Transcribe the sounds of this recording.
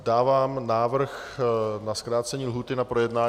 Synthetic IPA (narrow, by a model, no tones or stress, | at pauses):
daːvaːmnaːvr̩xnaskɾaːt̪t͡sɛɲiːlɦuːt̪ɪnapɾojɛdnaː